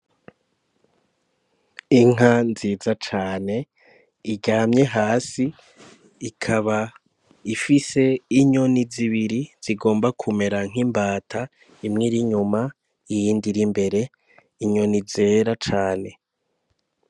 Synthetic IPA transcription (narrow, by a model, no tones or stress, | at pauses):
iŋanziːzat͡ʃaːne̞ | iɟaːmɲe̞ɦaːsiː | kʰaβa | ifise̞iɲo̞niziβiɾiz̥iɡo̞ːmbakʰume̞ɾaŋ̥imbaːtʰa | imŋiɾiɲuma | ijiːndiɾimbe̞ɾe̞ | iɲo̞nize̞ːɾat͡ʃaːne̞